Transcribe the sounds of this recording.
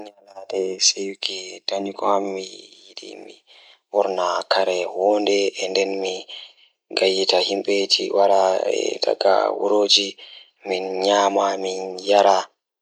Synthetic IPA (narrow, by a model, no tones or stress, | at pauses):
naladɛsejukidaɲukɔhamːijiɗḭmḭ | wɔɾnakʰaɾɛwɔndɛɛndɛnmi | ɡajitahimɓetʰiwaɾaɛ̰da̰ɡa̰wṵɾod͡ʒi | minɲaːmaminjaɾa